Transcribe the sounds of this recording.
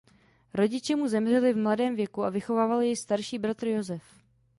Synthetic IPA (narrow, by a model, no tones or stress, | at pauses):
ɾo̞ɟɪt͡ʃɛmuzɛmr̝ɛlɪvmladɛːmvjɛkuavɪxo̞vaːvalɪjɛjst̪aɾʃiːbɾat̪ɾ̩jo̞zɛf